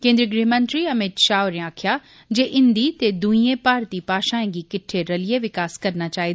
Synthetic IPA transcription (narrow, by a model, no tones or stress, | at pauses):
kẽːnd̪ɾiəɡɾiɦmə̃nt̪ɾiɐmɪt̪ʃaːʊɾẽaːkʰja | d͡ʒeʔɪ̃nd̪it̪ed̪uĩẽpaːɾt̪ipaːʃãːẽɡikɪʈʰːeɾɐlijeʋɪkaːskɐɾnat͡ʃaːid̪